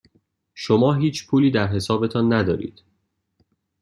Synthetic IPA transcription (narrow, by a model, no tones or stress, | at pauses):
ʃomɒːɦiːt͡ʃʰpʰuːliːd̪æɾɦe̞sɒːbe̞t̪ʰɒːnːæd̪ɒ̰ːɾḭːd̪̥